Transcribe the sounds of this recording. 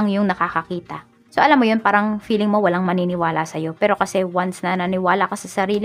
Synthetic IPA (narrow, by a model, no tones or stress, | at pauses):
ŋjʊŋnɐkakɐkiːt̪ɐ | so̞ʔɐlamːojonpaːɾɐŋfiːlɪŋmo̞wɐlaŋmɐninɪwaːlɐsɐjo̞pɛːɾo̞kɐsɛwansnɐnɐnɪwaːlɐkɐsɐsɐɾiːlɪ